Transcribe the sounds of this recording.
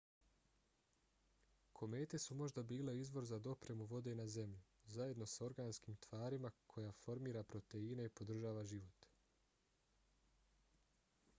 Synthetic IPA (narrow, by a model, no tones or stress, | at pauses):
kʰo̞me̞ːt̪e̞sumo̞ʒd̪abiːle̞izʋo̞ɾzad̪o̞pɾe̞muʋo̞d̪e̞naze̞mʎu | zaje̞d̪no̞so̞ɾɡaːnskiːmt̪ʋaːɾimakʰo̞jafo̞ɾmiːɾapɾo̞t̪e̞ine̞ipod̪r̩ʒaːʋaʒiʋo̞t̪